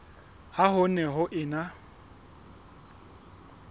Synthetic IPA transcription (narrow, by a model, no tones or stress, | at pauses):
haɦʊnɛɦʊʔɪna